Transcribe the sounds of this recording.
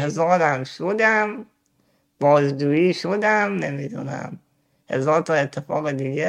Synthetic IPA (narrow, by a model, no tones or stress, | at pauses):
hezɒːɾæmʃod̪æm | b̥ɒːzd͡ʒuːiːʃod̪æmne̞mid̪ṵnæ̰m | he̞̰zɒːɾt̪ʰɒːet̪ʰːefɒːɣed̪iːɡe